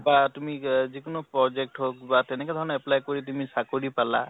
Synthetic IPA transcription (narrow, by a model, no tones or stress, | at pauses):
batumizikunɔpɹɔd͡ʒek̚ʈɦok̚batɛnɛkɔd̪ʱɔɹnɔɛplajkoɹit̬umisakoɹipala̰